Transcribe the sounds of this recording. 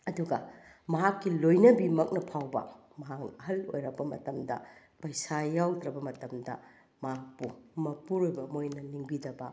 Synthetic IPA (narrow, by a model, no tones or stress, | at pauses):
ɐduɡɐ | mɐɦakːilojnɐbimɐk̚nɐpʰawbɐ̰ | mɐɦak̚nɐɐɦɐlo̰jɾɐbɐmɐtɐmdɐ̰ | pɐjsajawd̪ɾɐbɐmɐtɐmdɐ | maak̚pumɐpuɾojbɐmojnɐniŋbidɐbɐ